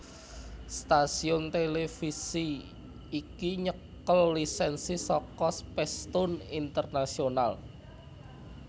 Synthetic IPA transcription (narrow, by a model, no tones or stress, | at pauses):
st̪asiʊnt̪elefisi | ikiɲəkəlːisɛnsisɔkɔspɛst̪ʊnint̪ərnasional